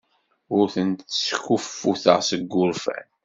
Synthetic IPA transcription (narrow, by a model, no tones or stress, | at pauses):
ʊɾθənt̪skufːuθə̰ʁsəɡːʊɾfæ̰n